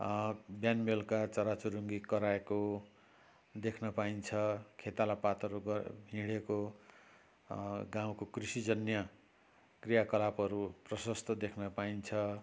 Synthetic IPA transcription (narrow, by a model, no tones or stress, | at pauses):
bjanmelkat͡sʌɾat͡suɾuŋɡikʌɾaeko | d̪ekʰnʌpaint͡sʰʌkʰet̪alapat̪ʌɾuɡʌbʱĩɽeko | ɡãw̃kokrisid͡zʌnjʌ | krijakʌlapʌɾuprʌsʌst̪ʰʌd̪ekʰnʌpaint͡sʰʌ